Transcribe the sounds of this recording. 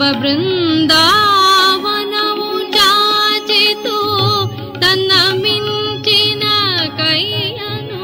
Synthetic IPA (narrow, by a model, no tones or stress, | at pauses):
ɐbɾɪnd̪aːʋɐnɐʋut͡ʃat͡ʃit̪u | t̪ɐnːɐmiɲt͡ʃinɐkɐjjɐn